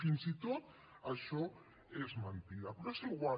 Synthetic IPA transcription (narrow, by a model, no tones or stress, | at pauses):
inzit̪ot̪̚ | ɐʃɔ | ezmant̪ilapɾesluɣwa